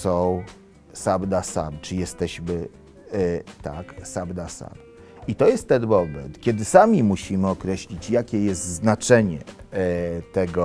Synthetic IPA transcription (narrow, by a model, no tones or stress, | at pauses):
sɔ̃w̃ | sabd̪asa̰bt͡ʂɘjɛst̪ɛʑmɘ | t̪aksabd̪asa̰b | it̪ɔjɛst̪ːɛnbɔbɛ̰nt̪kʲɛd̪ɘsamʲimuɕimɘɔkɾɛɕlʲit͡ɕjakʲɛjɛst̪znat͡ʂɛɲɛ̰ | t̪ɛɡɔ